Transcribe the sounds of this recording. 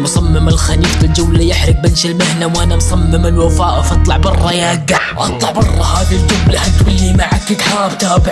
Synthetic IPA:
msˤɑmːɪmɪlxaniːfɪld͡ʒʊwlajɪħɾɪk̚bɪnʃɪlmɪhnawʔanamsˤɑmːɪmɪlwafaːʔfʔɑt̪ˤlɑʕbɑrˤːɑjaːɡːa | ʔɑt̪ˤlɑʕbɑrˤːɑhaːɡɪld͡ʒʊwlaʔat̪wɪlːimaʕakːɪd̪ħaːbt̪ab

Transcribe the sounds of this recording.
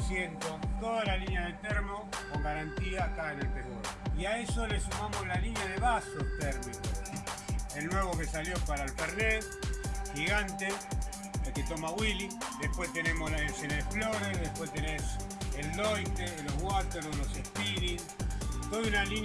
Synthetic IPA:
sjent̪ot̪oðalaliɲjað̞et̪eɾmoko̞ŋɡaɾant̪iakaenelpeðoɾiaesolesumamoslalinjað̞eβasot̪eɾmiko | elnwe̞βokesaljopaɾalfeɾðesxiɣant̪e | elket̪omaɣwilid̪ehpwest̪enemoslaiesjenaðefloɾeðehpweht̪enes | elːojt̪eloɣwat̪eɾlolosehpiɾi | t̪oðunalin

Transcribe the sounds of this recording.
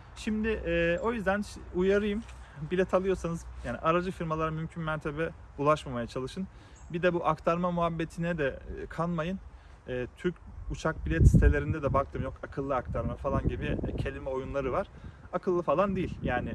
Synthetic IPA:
ʃimd̪ɪʔɛːo̞jyzd̪ænujaɾɯjɯmbilʲɛt̪ʰalˠɯjo̞sanɯzjaːnḭʔaɾad͡ʒɯfiɾmalˠaɾamymcʰynmæɾt̪ʰe̞bɛ | ulˠaʃmamajat͡ʃʰalˠɯʃɯn | bid̪ɛbuʔakt̪ʰaɾmamuɦabːe̞t̪ʰinɛd̪ɛkʰalˠmajɯn | ɛːt̪ʰyɾc̚ut͡ʃʰak̚bilʲɛt̪si̥t̪ʰe̞lʲe̞ɾind̪ɛd̪ɛbak̚t̪ʰɯmjo̞kakʰɯlˠːɯak̚t̪ʰaɾmafalˠanɟibɪcʰe̞lʲimɛo̞junlˠaɾɯvaɾ̥akʰɯlˠːɯfalˠand̪ejilʲjaːnɪ

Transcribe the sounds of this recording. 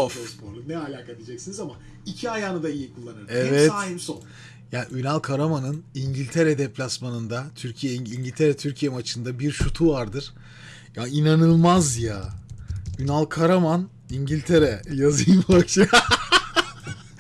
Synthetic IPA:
ofospʰoɾlˠunɛalʲaːkat̪ʰid͡ʒɛcsinizama | icʰiajaːnɯd̪aijikʰulˠːanɯɾɛvɛt̪aːimson | jaːniynalˠkʰaɾamanɯniɲɟilʲt̪ʰeɾɛd̪ɛpʰlʲasmanɯnd̪at̪ʰyɾcʰijɛiiɲɟilʲt̪ʰeɾɛt̪ʰyɾcʰijemat͡ʃʰɯnd̪abiɾʃut̪ʰuvaɾd̪ɯɾ̥ | jainanɯlˠmazja | ynalˠkʰaɾaman | iɲɟilʲt̪ʰe̞ɾɛjazɯjɯmaa

